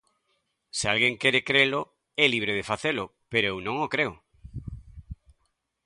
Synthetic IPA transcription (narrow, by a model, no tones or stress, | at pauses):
sɪalɣeŋkɛɾekɾelʊ | ɛliβ̞ɾeð̞efaθelʊpeɾoewnõŋokɾeʊ